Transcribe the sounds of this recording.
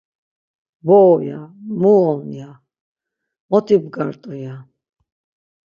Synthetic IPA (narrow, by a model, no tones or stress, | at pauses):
bɔːja̰muɔlnja | mɔt̪ʰibɡaɾt̪ʼuja